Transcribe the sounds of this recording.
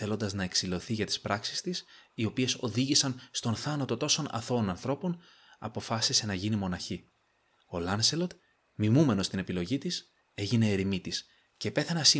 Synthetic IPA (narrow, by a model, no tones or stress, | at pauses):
θe̞lo̞nd̪ɐznɐe̞ksilo̞θiʝɐt̪i̥spɾɐksi̥st̪isio̞pie̞so̞ðiʝisɐnst̪o̞nθɐnɐt̪o̞t̪o̞so̞nɐ̰θo̞nɐnθɾo̞po̞n | ɐ̰po̞fɐsise̞nɐʝinimo̞nɐçi | o̞lɐnselod̪ | mimume̞no̞st̪inepilo̞ʝit̪is | e̞ʝine̞ːɾimit̪is | ce̞pe̞θenɐsi